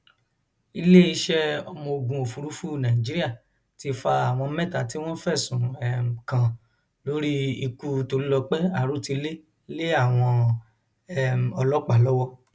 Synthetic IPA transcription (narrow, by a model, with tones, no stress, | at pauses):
i˧le˦i˧ʃɛ˦ɔ˧mɔ̃˧o˧ɡũ˧o˨fu˨˧ɾu˦fu˦˨nã˨ĩ˨d͡ʒi˦ɾi˦a˦˨ | ti˧fa˧a˨w̃ɔ̃˧˦mɛ̃˦˨ta˨ti˦w̃ɔ̃˦fɛ˦˨sũ˨ɛ˨m˨kã˨ | lo˦ɾi˦i˧ku˧to˧ɾi˦lɔ˧k͡pɛ˦a˦˨ɾu˨˦˨ti˧˦le˦ | le˦a˦˨w̃ɔ̃˧ | ɛ˦˨m̩˨ɔ˧lɔ˦k͡pa˦˨lɔ˦wɔ˦